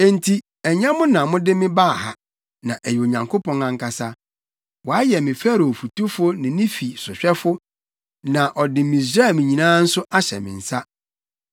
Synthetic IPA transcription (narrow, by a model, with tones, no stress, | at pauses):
ɛ˦n˨tʰi˦ | ɛ˨ɲɛ̃˦mʊ̃˦nã˨mʊ̃˦dɪ˦mɪ̃˦ba˦˨ha̰˨ | nã˨ʔæ˨ji˨o˨ɲã˨ŋkʰo˦pɔ̃˦ŋã˨ŋ̩˦kʰa˨sa˦ | wɔ˨a˦jɛ˨mɪ̃˨fæ˦ɾo˨fu˨tu˦fʊ˦nɪ̃˨nɪ̃˦fi˨sʊ˨ɕᶣɛ˦fʊ˦ | nã˨ʔɔ˨dɪ˨mĩ˨s̬ɾa˦˨mɪ̃˨ɲĩ˨nãː˦n̩˦sʊ˦ʔa˦ɕɛ̰˨mɪ̰̃˨n̩˨sa˦